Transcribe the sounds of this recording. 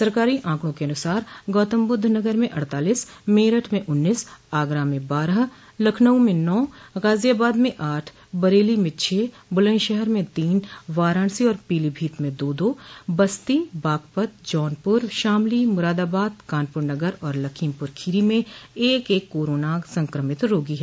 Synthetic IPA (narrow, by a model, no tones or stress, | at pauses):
sɐɾkaːɾiʔãːkɽ̃õkeɐnʊsaːɾɡɔːt̪əmbʊd̪ʱnɐɡəɾmẽʔɐɽt̪aːliːsmeːɾəʈʰmẽʔʊnːiːsaːɡɾamẽbaːɾəɦ | lɐkʰnəũmẽnɔːɣaːzijaːbaːd̪mẽʔaːʈʰ | bɐɾeːlimẽt͡ʃʰeː | bʊlə̃ʃɛɦɛɾmẽt̪iːnʋaːɾãːɳ̃siɔːɾpiːlibʱiːt̪mẽd̪oːd̪oːbɐst̪ibaːk̚pət̪̚d͡ʒɔːnpʊɾʃaːmlimʊɾaːd̪aːbaːd̪̚kaːnpʊɾnɐɡəɾɔːɾlɐkʰiːmpʊɾkʰiːɾimẽeːkeːkːoːɾoːnasɐ̃ŋkɾəmɪt̪ɾoːɡiɦɛː